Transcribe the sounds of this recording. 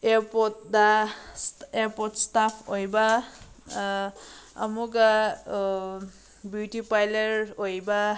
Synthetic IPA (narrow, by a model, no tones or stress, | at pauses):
ɛpɔt̚da | ɛpɔtstapʰojba | a̰muka | butipajlɛɹojba